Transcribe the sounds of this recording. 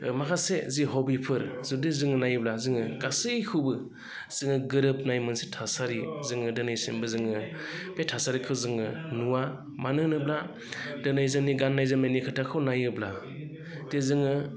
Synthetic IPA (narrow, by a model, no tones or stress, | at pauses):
makʰaseziɦɔbipʰɯɾzudezɯŋɯnajɯblazɯŋɯɡasɯjkʰɯbɯ | z̥ɯŋɯɡɯɾɯp̚najmɯnsetʰasaɾizɯŋɯdɯnajsimbɯzɯŋɯbetʰasaɾikʰɯzɯŋɯnuwa | manɯnɯbla | dɯnajzɯŋniɡanːajzɯmenikʰɯtʰakʰɯwnajɯbla | d̥ezɯŋɯ